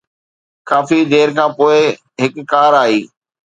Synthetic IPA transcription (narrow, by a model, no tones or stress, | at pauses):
kaːfid̪eːɾkʰãːpoːɪ | ɦɪkːaːɾaːɦiː